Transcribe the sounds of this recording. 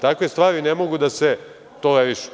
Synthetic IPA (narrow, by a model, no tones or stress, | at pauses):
t̪akʋest̪ʋaːɾinemo̞ɡud̪ase | t̪oleɾiʃu̥